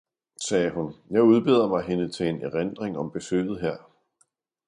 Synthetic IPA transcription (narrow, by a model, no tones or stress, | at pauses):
sɛːɦunjɑ̈ɪuð̞ˠb̥e̝ð̰ˠɐmɑ̈ɪɦe̝nət͡sʰe̝eneʁend̥ʁeŋɒ̽mb̥e̝sø̰ːð̩ˠɦeɐ̰